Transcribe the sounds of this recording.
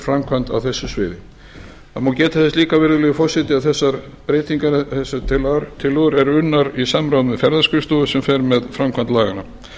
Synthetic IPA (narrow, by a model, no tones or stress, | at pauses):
fɾamkʰvant̪a̰wθɛsːʏsvḛːðɪ | θa̰macɛːt̪aθɛst̪liːkavɛɾɪlɛɣʏfɔr̥sɪt̪ɪaðθɛsːaɾpɾeːjt̪iŋkanɪθɛsːʏt̪ʰɪlaɾt̪ʰɪlʏʏɾɛɾʏnːaɾisamɾawnmvɛfɛɾðaskʏst̪ɔːðʏsɛmfɛɾmɛðfɾamkʰant̪laːɣana